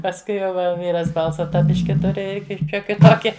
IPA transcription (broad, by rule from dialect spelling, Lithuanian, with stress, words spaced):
pɐsˈkʊɪ jɛʊ ˈʋɐ ˈʋʲiːrɐs ˈbɐlˠsɐ ˈtɑː ˈbʲɪʃʲkʲɪ ˈtʊrʲɪ ˈɪr ˈʃʲoːkʲɪ ˈtoːkʲɪ